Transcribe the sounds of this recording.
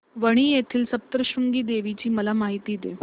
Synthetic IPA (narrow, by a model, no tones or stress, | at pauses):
ʋəɽ̃iːjet̪ʰiːlsəp̚t̪ɾəɕuŋɡiːd̪eʋit͡ɕiːməlamaɦit̪iːd̪ḛ